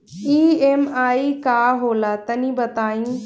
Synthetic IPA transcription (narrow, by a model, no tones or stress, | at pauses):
iːeːmaːikaːɦoːlaːt̪ɐnĩːbɐt̪aːĩː